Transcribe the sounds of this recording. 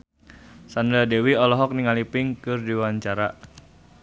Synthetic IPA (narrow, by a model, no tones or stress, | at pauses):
sandɾadewiɔlɔɦɔk̚niŋalipɪŋkɨrdiwaɲt͡ʃaɾa